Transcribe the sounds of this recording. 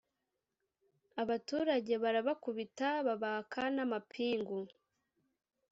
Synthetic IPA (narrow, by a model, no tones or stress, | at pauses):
aβatuːɾaɟe̞βaɾaβakuβitaβaβakʰanamapʰiːŋɡo